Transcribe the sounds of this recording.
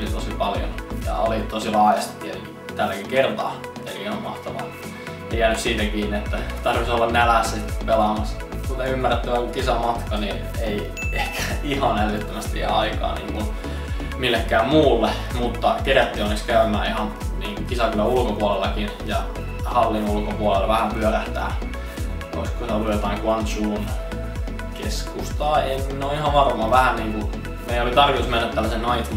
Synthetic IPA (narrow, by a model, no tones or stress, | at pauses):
lit̪osipɑljo̰njɑ̰ɑlit̪osilɑːjɑst̪i̥t̪ːieiki | t̪ælːækikert̪ɑ̰ː | ḛliihɑmmɑht̪ɑʋɑ̰ | eijæːnyssiːt̪ækiːnːiet̪ːæt̪ɑrʋisolːɑnnælæsːspelɑmɑs | kut̪eymːærːet̪ːyeolːukisɑmɑt̪kɑniː | ei | ehkæ̥ihɑnælːyt̪ːømæst̪ijæ̰ɑikɑ̰ːnḭːŋkun | milːekːæːmmuːlːe | mut̪ːɑkeræt̪ːiːonːekskæymæ̰ːihɑn | niːŋkukisɑkylːæulkopuɑlelːɑkinjɑ̰ | hɑlːinulkopuɑlelːɑʋæhæmpyœræht̪æ̰ː | o̰iskosit̪olːujot̪ɑiŋkuɑnt̪suːn | keskust̪ɑːeinːoːihɑʋʋɑrmɑːʋæhænniːŋku | meiolit̪ɑrʋit̪usmenːæt̪t̪ːælːæsennɑit̪